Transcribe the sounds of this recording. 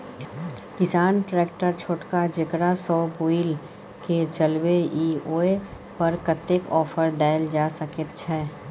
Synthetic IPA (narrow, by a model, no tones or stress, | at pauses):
kɪsaːnʈɾɛːkʈəɾt͡ʃʰoːʈkad͡ʒɪkɽasɔːboɪl | ket͡ʃɐlweiːoːe | pɐɾkət̪ːekɔːfʰəɾd̪aːɪld͡ʒaːsəkət̪̚t͡ʃʰɛː